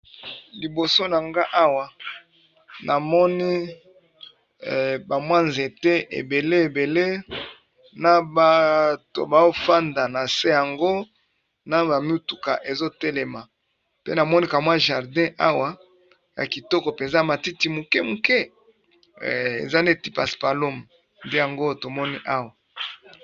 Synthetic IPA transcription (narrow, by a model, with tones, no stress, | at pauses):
li˨bo˨so˦na˨ŋɡa˦ʔa˦wa˨ | nʔa˨mɔ˦ni˦˨ | ba˨mwa˦nze˨te˦ḛ˨be˨le˦e˨be˨le˦ | na˦ba˨to̰˨ba˨o˦fa˦nda˨na˨se˦ja˨ŋɡo˦ | na˦ba˨mu˦tu˨ka˨ʔe˨zo˦te˦le˨ma˨ | pe˦na˨mɔ˦ni˦ka˨mwa˦ʒa˨ʁdɛ̃˦ʔa˦wa˨ | ja̰˨ki˨tɔ˦kɔ˨pe˨nza˦a˨ma˨ti˦ti˨mu˨kɛ˦mu˨kɛ˦˨ | ḛ˨za˦nde˦ti˦pa˨spa˨lo˦m | nde˦ja˨ŋɡo˦to˨mɔ˦ni˦ʔa˦wa˨